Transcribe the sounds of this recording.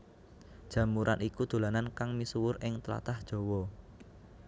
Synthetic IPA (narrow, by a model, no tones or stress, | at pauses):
d̥ʒ̥ä̤muɾʔa̰nʔikud̪̥o̤lanankaŋmisuwʊrɪŋt̪əla̰t̪ahd̥ʒ̥o̤wɔ